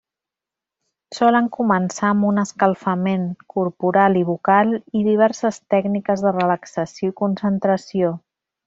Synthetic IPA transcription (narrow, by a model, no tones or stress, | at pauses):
sɔləŋkumənsaəmbunəskəlˠfəmeŋkuɾpuɾaliβ̞ukalˠiðiβ̞ɛɾsəst̪ɛɡnikəzðərələksəsioikunsənt̪ɾəsio